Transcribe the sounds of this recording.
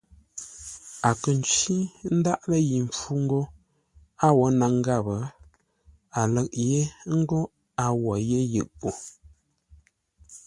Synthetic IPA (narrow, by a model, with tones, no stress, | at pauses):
a˨kə˨n˨t͡ʃi˦n̩˦da˦ʔlə˦ji˨ɱ˨fu˦ŋ˦ɡo˦ | a˦wɔ˨˦na˨ŋ˦ɡa˦˨bə˨˦ | a˨lə˨ʔ̚je˦ŋ̩˦ɡo˦ | a˨wɔ˨je˦jɨ̰˨ʔpo˨